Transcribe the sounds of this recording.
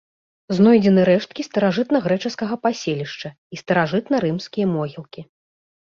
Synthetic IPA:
znɔjd͡zʲɛnɨɾɛʂt̪̚kʲist̪ɐɾaʐɨt̪nɐɣɾɛt͡ʂɨskɐɣɐpasʲelʲiʂt͡ʂɐ | ist̪ɐɾaʐɨt̪nɐɾɨmskʲijɐmɔɣʲilˠkʲi

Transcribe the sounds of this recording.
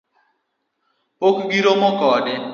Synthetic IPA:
pokɡiɾomɔkɔdɪ

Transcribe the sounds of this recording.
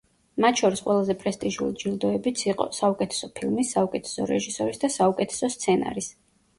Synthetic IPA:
mat̪ʰʃɔɾisqʼwʔɛlˠazɛpʼɾɛst̪ʼiʒulid͡ʒilˠd̪ɔɛbit̪sʰiqʼɔ̰saukʼɛt̪ʰɛ̥sɔpʰilˠmisːaukʼɛt̪ʰɛ̥sɔɾɛ̰ʒisɔɾisd̪asaukʼɛt̪ʰɛ̥sɔst̪sʰɛna̰ɾis

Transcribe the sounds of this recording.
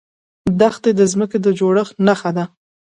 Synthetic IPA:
d̪axt̪ed̪əzməked̪əd͡ʒoɽəxnaxad̪a

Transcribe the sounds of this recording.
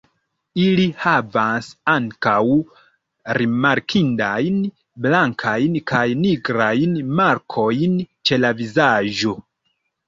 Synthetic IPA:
ilihavasaŋkaw | ɾimaɾkʰindajn | blaŋkʰajnkajniɡɾajnmaɾkʰo̞jnt͡ʃe̞lavizaʒo̞

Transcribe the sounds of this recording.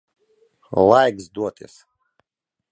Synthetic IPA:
lˠajɡzd̪uɔt̪ḭs

